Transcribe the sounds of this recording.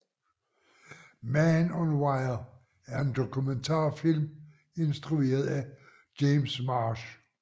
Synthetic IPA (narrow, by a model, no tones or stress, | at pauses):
mænɒnwɑɪɐ | æɐe̝nd̥o̝kʰument͡sʰɑ̰̈ːfil̰m | e̝nsd̥ʁue̝̰ːɐð̞̩ˠæ | ɡ̥emsmɑːɕ